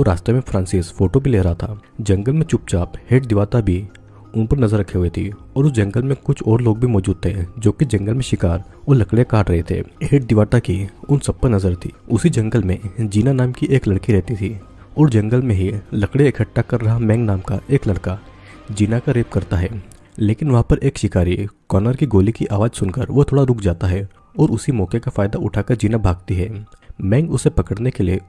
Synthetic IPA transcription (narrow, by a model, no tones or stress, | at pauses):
ɔːɾaːʃʈ̪ɾemẽfʰɾãːnsɪsfoːʈobʱileːɾɐɦat̪ʰaːd͡ʒɐ̃ŋɡəlmẽt͡ʃʊp̚t͡ʃaːpheːʈ̚d̪ɪʋaːt̪abʱi | ʊnpəɾnɐzəɾːɐkʰeɦʊet̪ʰi | ɔːɾʊsd͡ʒɐ̃ŋɡəlmẽkʊt͡ʃʰɔːɾloːɡ̚bʱimɔːd͡ʒuːd̪̚t̪ʰed͡ʒoːkid͡ʒɐ̃ŋɡəlmẽʃɪkaːɾ | ɔːɾlɐkɽekaːʈɾɐɦet̪ʰḛːheːʈ̚d̪ɪʋaːʈakiʊnsɐb̚pɐɾnɐzəɾt̪ʰiːʊsid͡ʒɐ̃ŋɡəlmẽd͡ʒiːnanaːmkiʔeːklɐɽkiɾɛɦt̪it̪ʰiː | ɔːɾd͡ʒɐ̃ŋɡəlmẽɦilɐkɽeɪkʰəʈːakɐɾːɐɦamɛ̃ːŋɡnaːmkaʔeːklɐɽka | d͡ʒiːnakaɾeːp̚kɐɾt̪aɦɛː | leːkɪnʋɐɦãpɐɾʔeːkʃɪkaːɾikɔːnəɾkiɡoːlikiʔaːʋaːd͡ʒsʊnkəɾʋot̪ʰoːɽaɾʊkʰd͡ʒaːt̪aɦɛ | ɔːɾʊsimɔːkekafaːɪd̪aʔʊʈʰaːkəɾd͡ʒiːnabʱaːɡ̚t̪iɦɛːmɛ̃ːŋɡʊsepɐkəɽnekelie